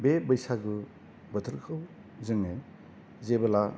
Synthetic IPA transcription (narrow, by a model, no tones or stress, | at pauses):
bebəjsaɡɯ | bətʰɯɾkʰɯw | zɯŋe | zebɐla